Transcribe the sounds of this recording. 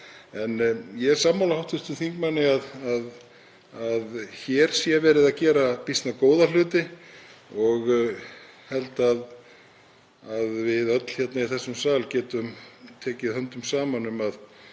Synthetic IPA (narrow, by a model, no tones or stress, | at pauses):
ɛnjɛɾsaːmːawlahawht̪fʏst̪ʏmθiŋk̚manːɪaðað | aðçɛːɾ̥sjavɛːɾɪðacɛːɾapist̪nakoːwðal̥ʏːt̪ɪ | ɔɣ | hɛlt̪að | aðvɪðœt̪l̥çjɛt̪naiθɛsːʏmsaːlcɛːt̪ʏmt̪ʰɛːcɪðhœnt̪ʏmsaːmanʏmað